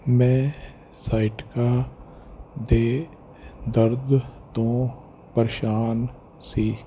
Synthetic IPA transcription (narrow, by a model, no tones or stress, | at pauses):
mɛ̃ː | saːɪʈkaː | d̪eː | d̪əɾd̪t̪õː | pəɾʃaːn | siː